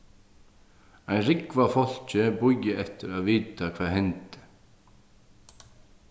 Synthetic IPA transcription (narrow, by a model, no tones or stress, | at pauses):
ajnrɪkvafɔl̥t͡ɕɪbujɪɛft̪ɪɾaðviːt̪akʰv̥aːðɦɛnt̪ɪ̥